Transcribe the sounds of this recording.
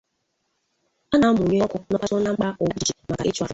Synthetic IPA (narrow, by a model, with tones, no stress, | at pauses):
a˦na˨m̩˦mʊ˨ɲe˦ɔ˦kʊ˨nɔ˦ka˦tɔ˦na˦ŋ͡m̩˦k͡pa˦ʔo˨u˦˨d͡ʒe˨ma˨ka̰˨ḛ˦t͡ʃu˦a˨